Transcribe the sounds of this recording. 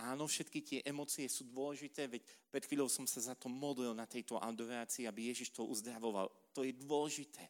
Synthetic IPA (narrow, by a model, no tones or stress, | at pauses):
aːnɔfʃɛt̪kit̪ɪɛʔɛmɔːt͡siɛsuːd̪ʊɔlɛʒit̪ɛːʋɛcpɾɛt̪xʋiːʎɔʊsɔmsazat̪ɔmɔd̪lilnat̪ɛjt̪ɔʔa̰ʊd̪ɔɾaːt͡siːabijɛʒiʃt̪ɔʔuzd̪ɾaʋɔʋa̰l | t̪ɔjɛd̪ʊɔlɛʒit̪ʰɛː